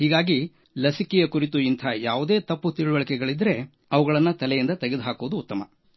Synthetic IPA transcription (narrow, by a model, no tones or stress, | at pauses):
hiːɡaːɡi | lɐsikɛjɐkuɾit̪uint̪ʰaːjaːʋud̪e̞ːt̪ɐpːut̪iɭuʋɐɭɐkɛɡɐɭid̪ɾe̞ | ɐʋɐɡɐɭɐnːɐt̪ɐlɛjind̪ɐt̪eɡed̪uɦaːkoʋd̪uːt̪ːɐmɐ̰